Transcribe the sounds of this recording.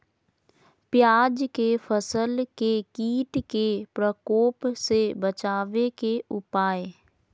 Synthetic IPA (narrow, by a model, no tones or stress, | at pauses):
pjaːd͡ʒkefʰəsəlkekiːʈkepɾəkoːpsebət͡ʃaːʋekeʔʊpaːe